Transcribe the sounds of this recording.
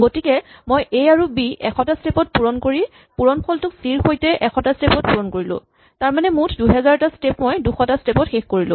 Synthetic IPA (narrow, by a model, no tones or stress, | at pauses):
ɡotikɛmojʔejaɹubiʔɛ̰kʰɔtastepɔt̚puɹɔnkoɹi | puɹɔnpʰɔltʊksiɹxojtɛʔɛkʰɔtastepɔt̚puɹɔnkoɹilʊ̰̃ | taɹmanɛmutʰduɦɛzaɹtastepmojduxɔtastepɔtxexkoɹilʊ̰̃